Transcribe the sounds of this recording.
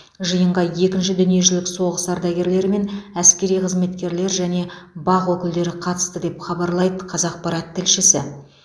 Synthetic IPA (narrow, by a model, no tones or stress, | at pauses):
ʒəjəɴʁɑje̞kʲɪnʃɪd̪ʏnije̞ʒɪlɪkso̞ʁəsɑɾd̪ɑɡʲe̞ɾle̞ɾme̞næskʲe̞ɾijqʰəzme̞t̪kʲe̞ɾle̞ɾʒæne̞bɑʁwɵkʲɪld̪e̞ɾɪqʰɑt̪ə̥st̪əd̪e̞pχɑbɑɾlˠɑjd̪əqʰɑzɑq̚pɑɾɑt̪ʰːɪlʃɪsɪ